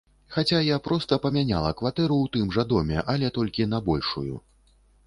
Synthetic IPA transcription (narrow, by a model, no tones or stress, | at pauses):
xat͡sʲajapɾɔst̪ɐpɐmʲanʲa̰lˠɐkvat̪ɛɾut̪ɨmʐad̪ɔmʲɛ̰ʔalʲɛt̪ɔlʲkʲinɐbɔlʲʂṵjṵ